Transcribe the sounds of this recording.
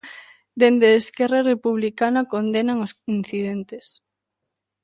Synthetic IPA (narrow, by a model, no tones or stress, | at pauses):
d̪end̪eːskɛrarepuβlikanakond̪enaŋosin̟θiðent̪es